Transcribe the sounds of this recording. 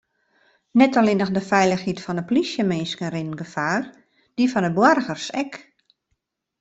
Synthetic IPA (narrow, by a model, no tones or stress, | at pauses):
nɛtalɪnəxdəfɛjləxhitfɔnəplisjəmeːskənrɪnnɡəfaːr | d̥ifɔnəbwɔrɣərsɛk